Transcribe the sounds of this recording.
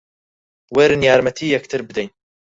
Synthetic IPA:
weɾnjaːɾmat̪ʰiːjakt̪ʰəɾbd̪ajn

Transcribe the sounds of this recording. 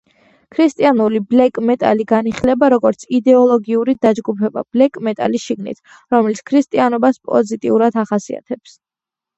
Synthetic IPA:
kʰɾist̪ʼianuliblɛkʼmɛt̪ʼa̰liɡaniχlɛbaɾɔɡɔɾt̪sʰid̪ɛɔlˠɔɡiuɾid̪ad͡ʒɡupʰɛba̰b̥lɛkʼmɛt̪ʼa̰lisʃiɡnḭt̪ʰ | ɾɔmɛlit̪skʰɾist̪ʼianɔbaspʼɔ̰zit̪ʼḭuɾad̪ʰaχasḭa̰t̪ʰɛps

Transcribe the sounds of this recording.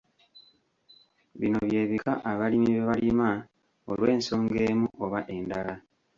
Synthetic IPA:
βino̞βje̞ːβikaʔaβalimiβeβalima | o̰lweːnso̞ːŋɡe̞ːmuo̞βaʔe̞ndala

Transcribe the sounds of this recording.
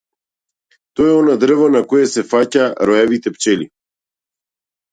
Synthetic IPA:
t̪ɔɛɔnad̪rvanakɔjɛsɛfacaɾɔjɛvit̪ɛpt͡ʃɛli

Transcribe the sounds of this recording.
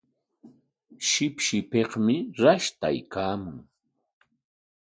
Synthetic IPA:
ʃɪpʃɪpeχmɪɾaʃt̪a̰jkaːmʊŋ

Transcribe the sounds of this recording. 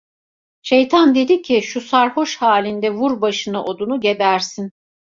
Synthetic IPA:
ʃe̞jt̪ʰand̪e̞d̪icʰiʃusaɾho̞ʃhaːlʲind̪ɛvuɾbaʃɯnaʔo̞d̪unuɟebæɾsin

